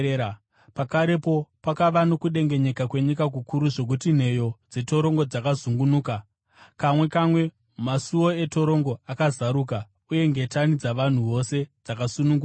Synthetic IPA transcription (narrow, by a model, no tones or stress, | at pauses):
pakaɾe̞po̞pakaʋano̞kuɗe̞ŋɡe̞ɲe̞kakwe̞ɲikak̬ukuɾuʐo̞k̬utin̤e̞jo̞d͡ze̞to̞ɾo̞ŋɡo̞d͡zakazuŋɡunuːka | kamwe̞kamwe̞ | masuo̞e̞to̞ɾo̞ŋɡo̞akazaɾuːk̬a | uje̞ŋɡetanid͡zaʋan̤uʋo̞se̞d͡zakasunuŋɡua